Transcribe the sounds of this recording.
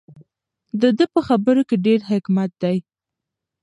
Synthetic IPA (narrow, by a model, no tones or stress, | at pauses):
d̪əd̪əpəxabəɾokeɖeɾɦɪkmat̪̚d̪aj